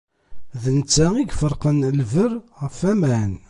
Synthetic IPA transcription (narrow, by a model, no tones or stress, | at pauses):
ðənt͡sːæiɡfəɾˤqənlvəɾʁəfæmæn